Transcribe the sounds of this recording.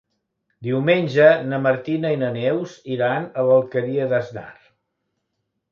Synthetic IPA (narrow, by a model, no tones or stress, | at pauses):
d̪iwmenʲʒənəməɾt̪inəinənewziɾanələlˠkəɾiəðəzna̰r